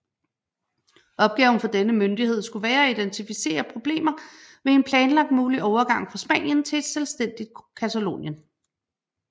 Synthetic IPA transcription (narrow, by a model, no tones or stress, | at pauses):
ʔɒ̽b̥̚ɡ̥ɛːʊn̩fɒ̽d̥enəmønd̥ihe̝ð̞̰ˠsɡ̥uʋæːɐæid̥ent͡sʰifise̝̰ːɐpʰʁo̝b̥le̝̰ːmɐʋe̝e̝npʰlɛːnlɑ̈ɡ̥̚d̥muːliʔɒʊɐɡ̥ɑ̈ŋ̰fʁɑ̈sb̥ɛ̰ːn̰jənt͡sʰe̝d̥selsd̥en̰d̥id̥kʰæt͡sʰælo̝̰ːnjən